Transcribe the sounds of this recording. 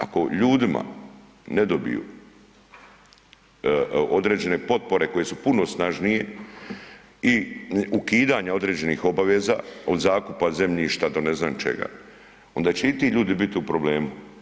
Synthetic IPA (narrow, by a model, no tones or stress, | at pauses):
a̰ko̞ʎuːd̪ima̰ | ne̞d̪o̞bḭjṵ | o̞d̪ɾe̞ːd͡ʑe̞ne̞po̞t̪̚po̞ɾe̞ko̞je̞supuno̞snaʒnije̞ | iukiːd̪aɲao̞d̪ɾe̞ːd͡ʑe̞nixo̞baʋe̞ːza̰ːo̞d̪zaːkupaze̞mʎiʃt̪ad̪o̞ne̞znaːnt͡ʃe̞̰ɡa̰ | o̞nd̪aːt͡ɕeit̪iʎuːd̪ibit̪iupɾo̞ble̞ːmu